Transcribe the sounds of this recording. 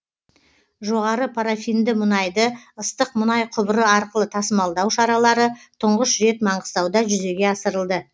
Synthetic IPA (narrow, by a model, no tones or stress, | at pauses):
ʒo̞ʁɑɾəpʰaɾafijnd̪ɪmʊnɑjd̪əəst̪əq̚mʊnɑjqʰʊbəɾəɑɾqəlˠət̪ʰɑsəmɑlˠd̪ɑwʃɑɾɑlˠɑɾət̪ʰʊɴʁəsʒe̞t̪mɑɴʁəst̪ɑwd̪ɑʒʏze̞ɡʲe̞ɑsəɾəlˠd̪ə